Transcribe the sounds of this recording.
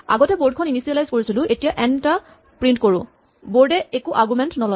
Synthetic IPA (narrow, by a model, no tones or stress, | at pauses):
a̰ɡɔtɛboɹdkʰɔninisijɛlajzkoɹisilʊʔetijaʔɛnta | pɹintkoɹʊ̃ | boɹdɛekuʔaɡumɛntnɔlɔ